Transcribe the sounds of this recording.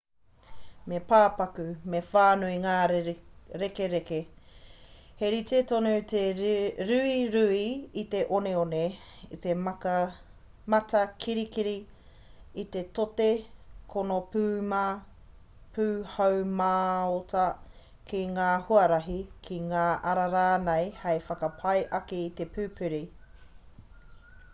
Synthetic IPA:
mepaːpɐkʉmefaːnoiŋaː | ɾekeɾeke | heɾit̪et̪onot̪eɾʉiɾʉiit̪e̞ʔoneone | it̪emɐ | mɐtɐkʰiɾikiɾi | it̪et̪otekʰonopʉːma | pʰʉːhawmaːotʰɐ | kiŋaːhuɐɾɐɦikʰiŋaːʔɐɾɐɾaːnejhɐjfɐkɐpʰɐjʔɐkiːt̪e̞pʰʉːpʰʉɾi

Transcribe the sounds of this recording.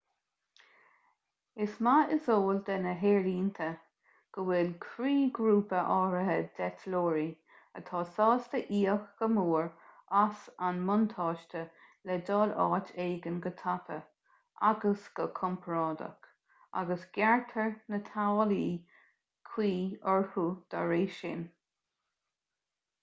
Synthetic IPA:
ɪsmaɪsoːld̪ɛnəɦeːɾiːnt̪ʰə | ɡ̥əwɪlkʰɾiːɡɾuːpəʔɑːɾəɦəd̪̥ɛtʰloːɹi | ət̪ʰɑːsɑːst̪əʔiːəxɡ̥əmuːɹasanmʊnt̪ʰɑːʃtə | lɛdɑːlɑ̰ːteːɡənɡət̪ʰapʰə | ʔa̰ɡəsɡ̥əkʰɔmpʰɹɑːdə̰k | a̰ɡəsɡ̥jaɹt̪ʰəɹnət̪ʰawliː | kʰw̥iːəɹhud̪̥aɹeːʃɪ̰n

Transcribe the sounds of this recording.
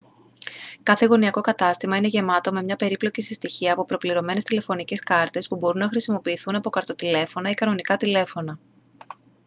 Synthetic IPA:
kɐθe̞ɣo̞niɐko̞kɐt̪ɐst̪imɐine̞ʝe̞mɐt̪o̞me̞mɲɐpe̞ɾiplo̞cisist̪içiɐːpo̞pɾo̞pliɾo̞me̞ne̞st̪ile̞fo̞nice̞skɐɾt̪e̞spubo̞ɾunːɐxɾisimo̞piːθunɐpo̞kɐɾt̪o̞t̪ile̞fo̞nɐikɐno̞nikɐt̪ile̞fo̞nɐ

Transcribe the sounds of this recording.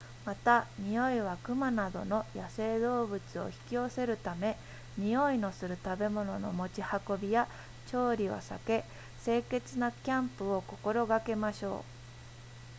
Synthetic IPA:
mat̪amʲio̞iβakɯ̟manad̪o̞̰no̞jase̞ːd̪o̞ːbɯ̟t͡sɨo̞̰çi̥kʲio̞se̞ɾɯ̟t̪ame̞ | mʲio̞ino̞sɨɾɯ̟t̪abe̞mo̞no̞no̞̰mo̞t͡ɕihako̞bʲija | t͡ɕo̞ːɾʲio̰sa̰ke̞ | se̞ːke̞t͡sɨnakʲãmpɯ̟o̞ko̞̥ko̞ɾo̞ɡake̞maɕo̞̰ː

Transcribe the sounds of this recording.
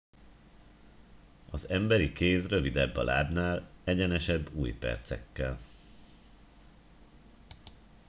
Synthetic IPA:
ɒzɛmbɛɾikeːsrø̞vid̪ɛbːɒ̰lʔa̰ːbnaːlɛɟɛnɛʃɛbːuːjpɛ̰rt̪sɛ̰kːɛl

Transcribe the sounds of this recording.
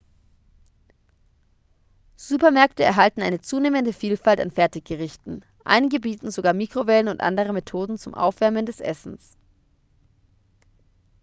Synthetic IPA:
z̥uːpɐmɛɐktəɛ̰ɐɦaltn̩ʔaɪnət͡suːneːməndəfiːlfalta̰nfɛɐtɪçɡ̥əʁɪçtn̩ | ʔa̰ɪnɪɡəbiːtn̩zoɡaːɐmiːkʁ̥ovɛlənʊntʔa̰ndəʁ̞əmetʰoːdn̩t͡sʊmʔa̰ʊfv̥ɛɐməndɛsʔɛ̰sn̩s

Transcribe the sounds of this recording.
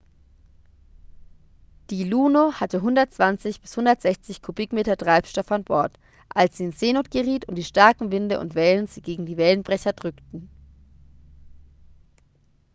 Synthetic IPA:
d̥iːluːnohatəɦʊndɐtt͡sv̥ant͡sɪçb̥ɪshʊndɐtz̥ɛçt͡sɪçkʰubɪkmeːtɐtʁ̥aɪpʃtɔfanb̥ɔɐt | ʔalsz̥iːɪnz̥eːnoːtɡ̥əʁiːtʊntd̥iːʃtaɐkŋ̩vɪndəʔʊ̰ntv̥ɛlənziːɡeːɡŋ̩diːvɛlənbʁɛçɐdʁʏktn̩

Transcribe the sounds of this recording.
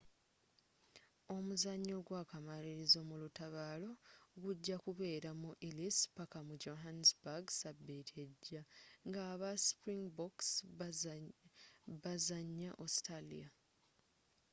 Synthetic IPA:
o̞muzaɲːo̞ɡwaːkamaliɾizo̞ːmulutaβaːlo̞ɡuɟːakuβe̞ːɾamuʔilispakamud͡ʒo̞ɦansbaɡsabːetʰeɟːaŋɡaːβaspɾiŋɡboks | βazaɲːaʔostalḭa

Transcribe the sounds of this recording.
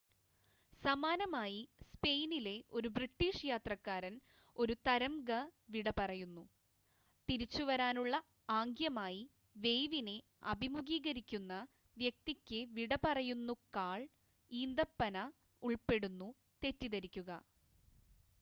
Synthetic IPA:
sɐmaːnɐmaːjispe̞jnile̞o̞ɾubriʈːiːʂjaːt̪rɐkːaːɾɐn | o̞ɾut̪ɐɾɐmɡɐʋiɽɐpɐrɐjunːu | t̪iɾit͡ɕːuʋɐɾaːnuɭːɐ | aːŋɡjɐmaːji | ʋe̞jʋine | ɐ̰bʱimuɡiːɡɐɾikʲːunːɐ | ʋjɐk̚t̪ikʲːɨʋiɽɐpɐrɐjunːukaːɭ | iːnd̪ɐpːɐnɐ | uɭpe̞ɽunːu | t̪e̞tːiðɐɾikʲːuɣɐ

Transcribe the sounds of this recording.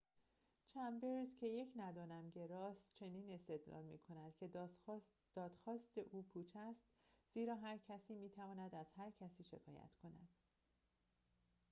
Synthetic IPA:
t͡ʃʰæmbe̞ɾzcʰe̞je̞cʰnæd̪ɒːnæmɟe̞ɾɒːst̪t͡ʃʰe̞niːne̞st̪e̞d̪lɒ̰ːlmḭkʰo̞næd̪̥cʰe̞ | d̪̥ɒːd̪̥xɒːst̪eʔuːpʰuːt͡ʃʰæst̪z̥iːɾɒːɦæɾcʰæsiːmiːt̪ʰævɒːnæd̪æz̥hæɾcʰæsiːʃe̞̰kʰɒ̰ːjæ̰t̪ʰkʰo̞næ̰d̪̥

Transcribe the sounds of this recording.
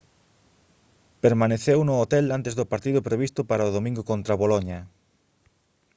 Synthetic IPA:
peɾmaneθewnʊot̪elant̪ezðʊpaɾt̪iðʊpɾeβist̪ʊpaɾaoðomĩŋɡokõnt̪ɾaβoloɲɐ

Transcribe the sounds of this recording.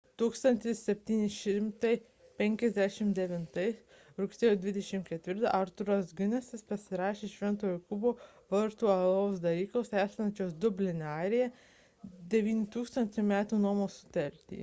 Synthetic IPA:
t̪uːkst̪ɐnʲt̪ʲɪssʲɛpʲt̪ʲiːnʲɪʃʲɪmt̪ɐɪ | pʲɛŋʲkʲɛzʲd̪ʲæʃʲɪmd̪ʲɛʋʲɪnt̪ɐɪs | ɾʊksʲeːjoːd̪ʲʋʲɪd̪ʲɛʃʲɪmkʲɛt̪ʲʋʲɪɾt̪ɐ̰ʔɐɾt̪ʊɾɐsɡʲʊnʲɛsʲɪspɐsʲɪɾɑːʃʲeːʃʲʋʲɛnt̪oːjukʊboː | ʋɐɾt̪uːɐlˠoːsd̪ɐlʲiːklˠoːsæːsʲlʲɐnʲt͡ʃʲoːsd̪ʊbʲlʲɪnʲɑːɾʲɪjɛ | d̪ʲɛʋʲiːnʲɪt̪uːkst̪ɐnʲt̪ʲɛmʲæːt̪uːnuɔmoːsʊ̥t̪ɐɾʲt̪ʲḭː

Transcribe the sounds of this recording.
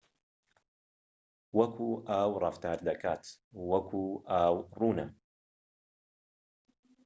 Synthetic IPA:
wɐkʰuːʔaːwrˤɐft̪aːɾd̪ɐkaːt̪ | wɐkʰuːʔaːwruːnɨm

